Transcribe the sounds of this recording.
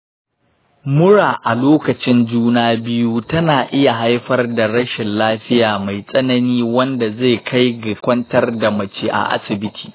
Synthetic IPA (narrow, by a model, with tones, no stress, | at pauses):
mʊ˦ɽaː˨ʔa˨loː˦kɐ˨t͡ʃɪ˦nd͡ʒuː˦naː˦bɪ˦ju˦tɐ˦naː˨ʔɪ˦ja˨ɦa˦jɸɐ˦rda˨ɽɐ˦ʃɪ˨nlaː˦ɸɪ˦jaː˨ma˨jsʼɐ˦nɐ˦niː˦wɐ˦nda˨ze˦˨kʰa˦jɡɪ˨kʷɐ˦ntɐ˦rda˨mɐ˨t͡ʃeː˦ʔa̰˨ʔa̰˦sɪ˨bɪ˦tʰi̥ː˨